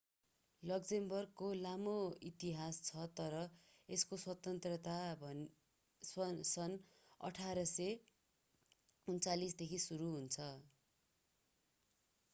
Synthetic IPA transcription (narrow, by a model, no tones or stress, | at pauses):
lʌkd͡zembʌrɡkolamoit̪iɦast͡sʰʌt̪ʌɾʌeskoswʌt̪ʌnt̪rʌt̪abʱʌ | sʌsʌn | ʌ̰ʈʰaɾʌse | unt͡salisd̪ekʰisuɾuɦunt͡sʰʌ